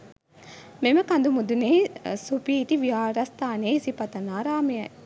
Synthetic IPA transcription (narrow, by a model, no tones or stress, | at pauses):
meməkand̪umud̪unesupiːʈ̪iʋiaːɾɐst̪aːneisipɐt̪ɐnaːɾaːmejɐj